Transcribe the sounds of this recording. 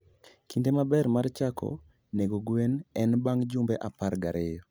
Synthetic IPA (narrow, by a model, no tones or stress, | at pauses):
kindemabɛɾmart͡ʃakʰɔ̰ | neɡoɡwenɛnbaŋd͡ʒʊmbeʔapaɾɡaɾʔɪjɔ